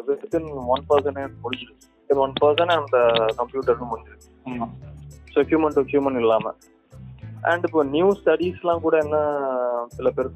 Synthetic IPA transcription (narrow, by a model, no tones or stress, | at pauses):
ʋɪɾt̪ːɪnʋɐnpɐɾs̬ɐɳenːɯmʊɽɪɲd͡ʒɪɾɯ | ɪnʋɔnpɐɾsɐnːɐnd̪ɐkɐmpjuːʈɐɾnɯmʊɳɖɯ | sɐkjuːmɐɳʈkjumɐnɪlːaːmɐ̰ | ʔɐ̰ɳɖɪpːoːnjuːsʈɐɽiːslãːkuːɽɐɛnːɐsɪlɐpeːɾ